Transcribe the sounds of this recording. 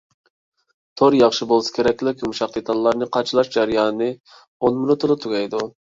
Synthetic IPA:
t̪ʰoɾjɑχʃɨbolˠsɨ̥kʰʲeɾɛkʲlɪkʲmuʃɑq̚d̪et̪ʰɑlˠːɑɾnɨqʰɑt͡ʃʰɨlˠɑʃd͡ʒæɾɨjɑːnɨnɨ | onmunut̪ʰːolˠɨt̪ʰuɡʲɑjd̪u

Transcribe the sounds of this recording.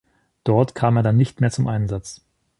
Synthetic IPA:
d̥ɔɐtkʰaːmeːɐdanːɪçtmeːɐt͡sʊmʔaɪnzat͡s

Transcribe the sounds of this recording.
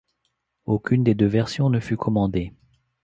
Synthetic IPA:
okʲynd̪ed̪øvɛʁsjɔ̃nəfykʰɔmɑ̃d̪e

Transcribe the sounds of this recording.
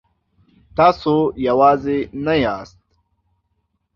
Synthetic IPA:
t̪aːsojɐwaːzenɐjaːst̪̚

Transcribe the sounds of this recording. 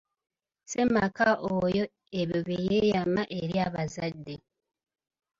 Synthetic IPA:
semakaʔojo | eβjoβijejamaʔeɾiaβazadːe

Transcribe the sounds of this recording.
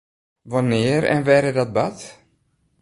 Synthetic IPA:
ʋanɪəɾɛ̰nʋɛɾədɔt̚bat

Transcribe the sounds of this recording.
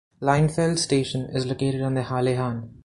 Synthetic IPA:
lãɪ̃nfelɖsʈeːʃə̃nɪzloːkeːʈɪɖɔ̃ːnd̪əhaːleɦãːn

